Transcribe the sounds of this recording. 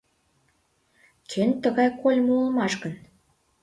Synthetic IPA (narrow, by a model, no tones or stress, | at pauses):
kʰent̪əɣɑjkolʲmoulˠmɑʃɣən